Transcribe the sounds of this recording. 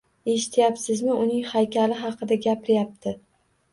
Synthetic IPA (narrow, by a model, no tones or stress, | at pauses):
e̞ʃɪ̥t̪ʰjapsɪzmɪʊnɪŋhajkʲalɪɦɑqʰɨd̪aɡʲapɪɾɪjap̚t̪ʰɪ